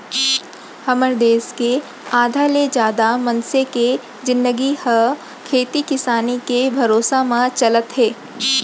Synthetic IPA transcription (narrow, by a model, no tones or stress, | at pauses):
hɐməɾd̪eːske | aːd̪ʱaled͡ʒjaːd̪amɐnseke | d͡ʒɪ̃nd̪əɡihə | kʰeːt̪ikɪsaːnikebʱɐɾoːsamãt͡ʃɐlət̪ɦeː